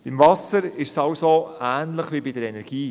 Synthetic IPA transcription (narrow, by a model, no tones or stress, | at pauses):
b̥ɪmvɑsəɾɪʃsɑʊsoæːnləχʋibidəɾɛnɛɾɡ̥iː